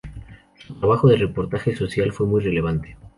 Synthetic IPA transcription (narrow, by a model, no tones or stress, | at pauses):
sut̪aβaxoðelrepo̞ɾt̪axe̞so̞sjalfwe̞mujre̞le̞β̞ant̪e̥